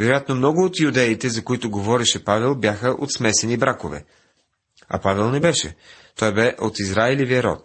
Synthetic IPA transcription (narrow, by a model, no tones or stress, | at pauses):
vɛɾojat̪nomnɔɡʊːt̪iud̪ɛit̪ɛzɐkoit̪ʊɡovɔɾɛʃɛpavɛlˠbjaxəʔo̰t̪smɛsɛnibɾakovɛ̰ | ɐ̰pavɛlˠnɛbɛʃɛ̰ | t̪ɔjbɛʔot̪izɾaɛliviəɾɔ̰t̪